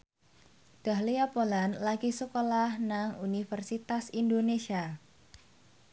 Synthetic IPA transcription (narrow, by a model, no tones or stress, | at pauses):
d̪̥a̤hliapolanlaɡisəkolahnaŋunifɛrsit̪asindonesia